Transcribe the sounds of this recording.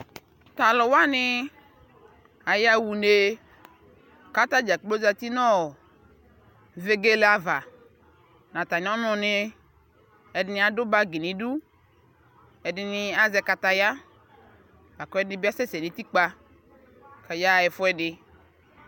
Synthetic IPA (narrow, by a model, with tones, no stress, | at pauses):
t̪a˨lɔ˨wa˦nɪ̃˦ | a˨ja˦wu˨ne˨ | ka˦t̪a˦d͡ʒa˨lo˦za˦t̪i˦nɔ̃˦˨ | ve˨ɡe˦le˦a˨va˨ | nã˨t̪a˨ɲ̃˨˦ɔ˦nɔ̃˨ne˦ | ɛ˨dɪ˦nɪ̃˦a˨dʊ˦ba˦ɡi˨nĩ˨du˦ | ɛ˨dɪ˨˦nɪ˧a˦zɛ˦ka˨t̪a˦ja˦ | a˨kɔ˦ɛ˦nɪ̃˦bi˦a˦sɛ˦se˨nĩ˨˦t̪i˦k͡pa˦ | ka˨ja˦˨jɛ˨fʊ˦ɛ˦dɪ˦